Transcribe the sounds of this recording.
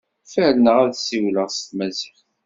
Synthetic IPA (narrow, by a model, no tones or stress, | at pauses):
fəlnəʁæðsiwləʁst̪mæziχ